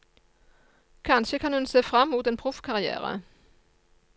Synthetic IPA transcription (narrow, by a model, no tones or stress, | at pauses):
kʰɑnʃəkʰɑnhʉnseːfʁɑmːuːt̪eːnpʰʁʊfkʰɑʁɪæ̰ːʁə̰